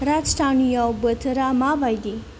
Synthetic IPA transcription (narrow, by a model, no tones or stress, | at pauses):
ɾad͡ʒsʈanijɔbət̪ʰɾamabajd̪i